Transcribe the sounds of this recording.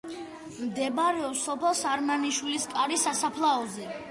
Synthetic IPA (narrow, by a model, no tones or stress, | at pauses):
md̪ɛbaɾɛɔpsɔpʰɛlˠsaɾmaniʃwiliskʼaɾisasapʰlˠaɔzɛ